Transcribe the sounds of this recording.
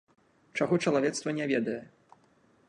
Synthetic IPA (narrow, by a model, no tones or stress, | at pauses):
t͡ʂaɣɔt͡ʂɐlˠavʲɛt̪st̪vɐnʲɛvʲɛd̪ɐjɛ